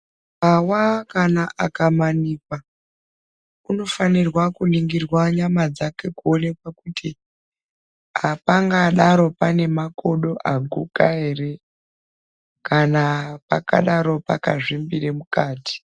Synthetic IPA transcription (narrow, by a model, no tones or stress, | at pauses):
awakanaʔakamanikwa | uno̞fanirwakuniŋɡirwaɲamad͡zake̞kuone̞kwakutʰi | apaŋɡaɗaɾo̞pane̞mako̞ɗo̞ʔaɡʱukaɦe̞re̞ | kanapa̰ka̰ɗaɾo̞pa̰ka̰ʐimbiremukaːti̥